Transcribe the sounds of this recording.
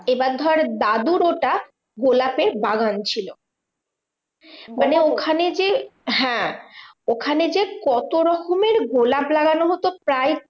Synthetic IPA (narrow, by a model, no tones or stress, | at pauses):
ebaɾd̪ʱɔɾaɾd̪ad̪uɾoʈa | ɡolapeɾbaɡant͡ɕʰilo | maneokʰaned͡ʑeɦɛ̃ | okʰaned͡ʑekɔt̪oɾɔkʰomeɾɡolaplaɡanoɦot̪opɾaj